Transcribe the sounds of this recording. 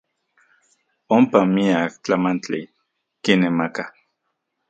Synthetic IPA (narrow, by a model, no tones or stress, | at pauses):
ompamiak̚t͡ɬamant͡ɬi | kinemaka